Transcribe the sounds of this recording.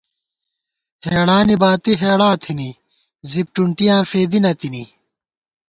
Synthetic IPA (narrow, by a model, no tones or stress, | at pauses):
heːɽaːnibaːt̪iɦeːɽaːt̪ʰini | zip̚ʈuɳʈijãːfeːd̪inɐt̪ini